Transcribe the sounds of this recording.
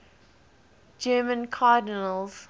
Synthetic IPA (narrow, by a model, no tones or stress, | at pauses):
d͡ʒɜːmə̃nkʰaːdɪnəlˠz̥